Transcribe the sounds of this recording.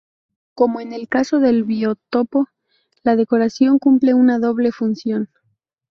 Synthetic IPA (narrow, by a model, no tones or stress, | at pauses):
ko̞mo̞ene̞lkaso̞ðe̞lβio̞t̪o̞po̞ | lað̞e̞ko̞ɾasjo̞ŋkumple̞unaðo̞βle̞funsjo̞n